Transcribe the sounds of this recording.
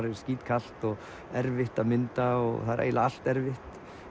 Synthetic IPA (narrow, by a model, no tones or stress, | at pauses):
ɾɪ̥skciːt̪kʰal̥t̪ɔɣ | ɛɾvɪht̪aðmɪnt̪aɔ̰ɣθaðɪɾʔḛːjlaal̥t̪ɛɾvɪht̪